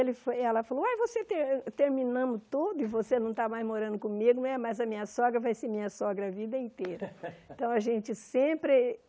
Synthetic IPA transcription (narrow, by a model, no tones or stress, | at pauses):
elɪfoɛlɐfaloajvoset̪et̪eɾminɐ̃mʊt̪od̪ʊɪvosenɐ̃w̃t̪amajzmoɾɐ̃nd̪ʊkõmiɡʊnɐ̃ɛmɐzɐmĩɲɐsɔɡɾɐvajseɾmĩɲɐsɔɡɾɐɐvid̪ɐĩnt̪ejɾɐ̃t̪ɐ̃w̃ɐʒẽnt͡ʃɪsẽpɾɪ